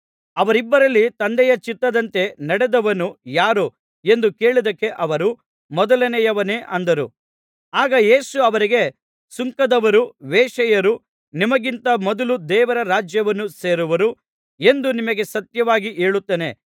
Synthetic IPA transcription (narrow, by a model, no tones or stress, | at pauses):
ɐʋɐɾibːɐɾɐlːit̪ɐnd̪ɛjɐt͡ʃit̪ːɐd̪ɐnt̪e̞nɐɽed̪ɐʋɐnːujaːɾu | e̞nd̪uke̞ːɭid̪ɐkːe̞ʔɐʋɐɾu | mɔd̪ɐlɐnɛjɐʋɐneːʔʔɐnd̪ɐɾu | aːɡɐje̞ːsuɐʋɐɾiɡe̞ | suŋkɐd̪ɐʋɐɾuʋeːʂɐjɐɾu | nimɐɡint̪ɐmɔd̪ɐlud̪ɛːʋɐɾɐɾaːd͡ʒjɐʋɐnːuse̞ːɾuʋɐɾu | e̞nd̪unimɐɡe̞sɐt̪jɐʋaːɡiʔe̞ːɭut̪ːeːne̞